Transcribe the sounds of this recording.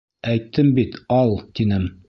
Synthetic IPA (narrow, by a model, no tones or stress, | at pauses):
æjt̪ʰːɘmbit̪ɒlˠt̪inɘm